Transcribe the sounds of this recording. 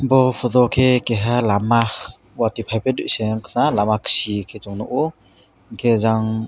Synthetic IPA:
bɔpʰɔzɔkʰekeɦalamah | watipʰajpʰeduʔseŋkʰnalamakʰsikʰetɔŋnɔʔɔ | ŋkʰezaŋ

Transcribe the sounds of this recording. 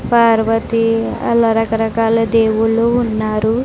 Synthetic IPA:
paːɾʋɐt̪iɐ̰lɐɾɐkɐɾɐkaːlɐd̪eːwuluːnːaːɾu

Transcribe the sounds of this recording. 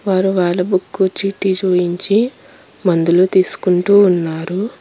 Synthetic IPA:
ʋaːɾuʋaːɭːɐbukːut͡ʃiːʈːid͡ʒuːjiɲt͡ʃi | mɐnd̪ulut̪iːsu̥kuɳʈuːnːaːɾu

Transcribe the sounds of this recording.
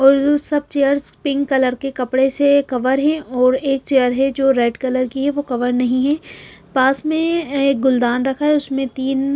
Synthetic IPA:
ɔːɾd͡ʒosɐb̚t͡ʃejəɾzpɪ̃ŋɡkɐləɾkekɐpɽesekɐʋəɾɦɛ̃ʔɔːɾeːk̚t͡ʃeːəɾɦɛd͡ʒoːɾɛːɖkɐləɾkiɦɛʋokɐʋəɾnɐɦĩɦɛːpaːsmẽeːk̚ɡʊld̪aːnɾɐkʰaɦɛʊsmẽt̪iːn

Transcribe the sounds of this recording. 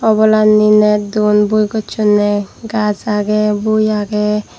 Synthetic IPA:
ɔbɔlanːinɛd̪unbujɡɔt͡ʃʰunɛɡazaɡɛbujaɡɛ

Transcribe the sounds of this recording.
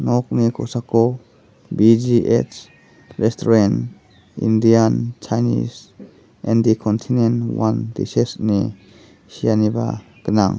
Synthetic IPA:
nɔk̚nikʰosakʰɔ | bid͡ʒiʔes | ɾestʰɔɾen | ḭndiant͡ʃʰajnḭs | ɛndikʰɔntʰinenwandḭsesni | sijaniba̰ | ɡ̥əna̰ŋ

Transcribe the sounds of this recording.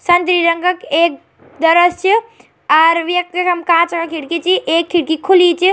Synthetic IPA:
sɐnt̪ɾiɾəŋɡəkeːk̚ | d̪əɾəst͡ʃʰi | ɔɾʋjɐk̚t̪ikɐmkãt͡ʃɐkakʰiɽkit͡ʃʰiʔeːkʰːiɽkikʰulit͡ʃʰi

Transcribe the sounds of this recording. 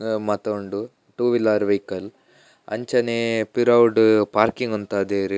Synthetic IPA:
mɐt̪oɳɖu | ʈuːʋilaːɾʋɐjkɐl | ɐ̰ɲt͡ʃɐnepiɾɐwɖpaːɾkiŋɡunt̪aːd̪eːɾi

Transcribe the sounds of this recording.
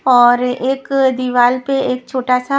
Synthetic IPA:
ɔːɾeːkd̪iʋaːlpeeːk̚t͡ʃʰoːʈaːsa

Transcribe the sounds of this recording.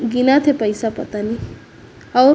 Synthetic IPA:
ɡinat̪ʰepʌjsapʌt̪ani | ʌw

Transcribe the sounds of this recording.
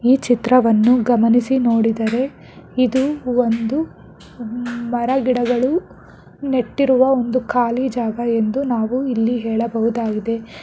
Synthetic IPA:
iːt͡ʃit̪ɾɐʋɐnːuɡɐmɐnisinoːɽid̪ɐɾe̞ | id̪uond̪u | mɐɾɐɡiɽɐɡɐɭu | ne̞ʈːiɾuʋɐo̞nd̪ukaːlid͡ʒaːɡɐe̞nd̪unaːʋuilːiɦɛːɭɐbɐɦud̪aːɡid̪e̞

